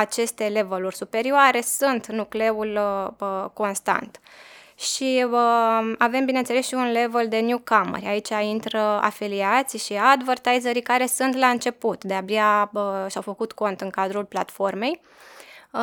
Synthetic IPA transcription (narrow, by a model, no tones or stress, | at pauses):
at͡ʃe̞st̪e̞le̞vəlurʲsupe̞ɾioaɾe̞sunt̪nukle̞ul | ko̞nst̪a̰nt̪ | ʃi | ave̞mbinent̪sele̞sʃiunle̞veld̪e̞njukamə̰rʲait͡ʃaint̪ɾəa̰filiat̪sʲʃiad̪vərt̪ajzəɾikaɾe̞sunt̪laɨnt͡ʃe̞put̪d̪e̞abjaəʃawfəkut̪ko̞nt̪ɨŋkad̪ɾulplat̪fo̞rme̞j